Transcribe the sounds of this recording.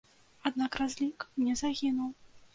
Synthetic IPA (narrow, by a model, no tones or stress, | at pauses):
ad̪nakrazʲlʲiknʲɛzaɣʲinuw